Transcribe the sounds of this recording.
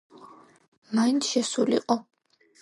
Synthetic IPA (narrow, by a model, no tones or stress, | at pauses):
maint̪ʰʃɛsulḭqʼɔ